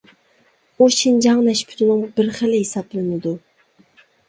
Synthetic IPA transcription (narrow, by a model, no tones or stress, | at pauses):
oʃind͡ʒɑŋnɛʃpʰy̥t̪ʰulˠumbɪɾχɪlɪɦisɑplˠɪnɪd̪u